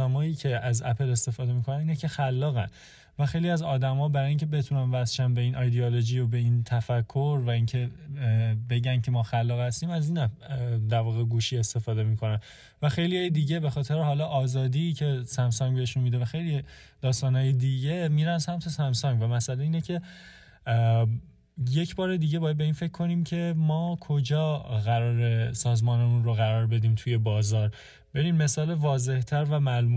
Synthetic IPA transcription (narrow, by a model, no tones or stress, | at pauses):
æmɒːjiːcʰe̞æzæpʰe̞le̞st̪e̞fɒːd̪e̞miːkʰo̞næniːnecʰe̞xælːɒːɣæn | væxe̞jliæzɒːd̪æmɒːbæɾɒːjiŋcʰe̞be̞t̪ʰunænvæsʃænbeiːnʔɒjd̪eolod͡ʒiobe̞int̪ʰæfækʰːo̞ɾvæiːncʰe̞ | be̞ɟæncʰe̞mɒːxælːɒːɣhæst̪iːmæziːnæd̪æɾvɒːɣeɡuːʃiːe̞st̪e̞fɒːd̪e̞miːkʰo̞næn | væxe̞jliɒːjed̪iːɟe̞bexɒːt̪ʰeɾehɒːlɒʔɒːzɒːd̪iːcʰe̞sæmsɒŋbeheʃunmid̪evæxe̞jli | d̪̥ɒːst̪ɒːnhɒːjed̪iːɟe̞miːɾænæssæmt̪ʰo̞sæmsɒŋɟvæmæsæleiːnecʰe̞ | je̞cʰbɒːɾe̞d̪iːɟe̞bɒːjæd̪̚be̞iːnfe̞cʰːo̞niːmcʰe̞mɒːkʰo̞d͡ʒɒːɣæɾɒːɾe̞sɒːzmɒːnemunɾoɣæɾɒːɾbe̞d̪iːmt̪ʰuje̞bɒːzɒːɾ | be̞ɾiːmme̞sɒːle̞vɒːze̞ht̪ʰæɾvæmælmuː